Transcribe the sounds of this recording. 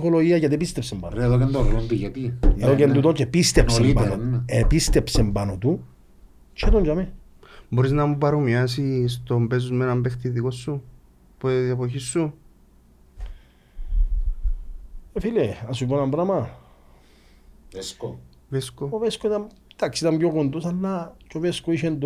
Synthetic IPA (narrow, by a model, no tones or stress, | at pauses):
xoloʝiɐʝɐt̪̬ipist̪epsemba̰noɾeðokɐnd̪oɾolonb̪iʝɐt̪ieðokend̪ut̪ot͡ʃepist̪epseminepist̪epsembanot̪u | t͡ʃʰet̪oɲd͡ʒame | boɾiznamupaɾomias̬is̬t̪ombes̬uzmenambext̪iðikosːu | poepoçisːu | efileasuponambɾama | veskooveskoit̪am | t̪aksit̪amɡokond̪usalːat͡ʃoveskoiʃend̪u